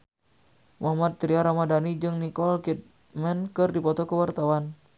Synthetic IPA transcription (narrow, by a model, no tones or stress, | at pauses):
muɦamat̪̚t̪ɾiaɾamadanid͡ʒɨŋnikɔlkit̪̚ | mɛnkɨrdipɔt̪ɔkəwart̪awan